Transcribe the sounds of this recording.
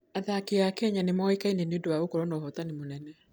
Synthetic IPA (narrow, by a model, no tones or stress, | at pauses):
aðakeakɛɲanemɔikainenodowaokɔɾɔnɔːɦɔtanemonɛnɛ